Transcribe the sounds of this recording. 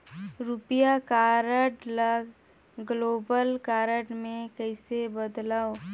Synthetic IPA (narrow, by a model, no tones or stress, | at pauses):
ɾʊpijakaːɾəʈləɡ | ɡloːbəlkaːɾəʈmẽkəɪsebəd̪laːo